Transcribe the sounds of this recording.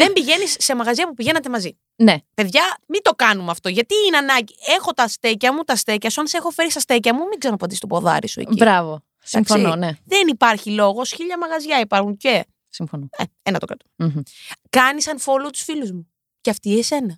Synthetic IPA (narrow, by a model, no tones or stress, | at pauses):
ðembiʝe̞nisːemɐɣɐzʝɐpupiʝe̞nɐt̪e̞mɐzi | nepe̞ðʝɐmit̪o̞kɐnumɐft̪o̞ʝɐt̪iinɐnɐɟie̞xo̞t̪ɐst̪ecɐmut̪ɐst̪e̞cɐsuɐnse̞xo̞fe̞ɾisɐst̪e̞cɐmumiɡzɐɾnpɐnd̪ist̪opo̞ðɐ̰ɾisuḛibɾɐvo | sɐkfsononeðenipɐɾçilo̞ɣo̞sçiʎɐmɐɣɐzʝɐipɐɾxuɲce̞ | simfonoḛenɐt̪okɾɐt̪u̥m | kɐnisɐnfo̞lot̪u̥sfiluzmu | ceɐft̪iese̞nɐ